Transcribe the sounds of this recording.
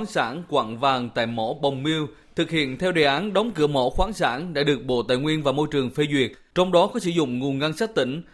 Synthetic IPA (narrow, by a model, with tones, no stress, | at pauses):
nsaː˧˥nkwa̰ː˧˨nvaː˨˩ŋt̪a̰ː˧˨jmɔ˧˥ɓə˨˩wŋ͡mmi˧əw | t̪ʰɨ˨˩k̚hḭ˧˨ənt̪ʰɛ˧wɗe˨˩ʔaː˨˦nɗɔ˨˦wŋ͡mkɨ̰˧˩əmɔ̰˧˥xwaː˨˦nsaː˧˥nɗa̰ː˧˥ɗɨ˨˩ək̚ɓo̰˧˨t̪a̰ː˧˨jŋwi˧ənvaː˨˩mo˧jt͡ɕɨ˨˩əŋfe˧zwi˨˩ət̚t͡ɕɔ˧wŋ͡mɗɔ˨˦kɔ˨˦sɨ̰˧˥zʊ̰˧˨ŋ͡mŋu˨˩ənɣa˧nsaː˦˥k̚t̪ï˧˩ŋ̟